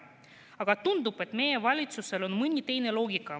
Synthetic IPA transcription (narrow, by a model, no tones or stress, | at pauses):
ɑɡ̥ɑt̪und̪ub̥e̞t̪me̞je̞vɑlʲit̪suse̞lo̞nmɯnʲit̪e̞jne̞lo̞ːɡikːɑ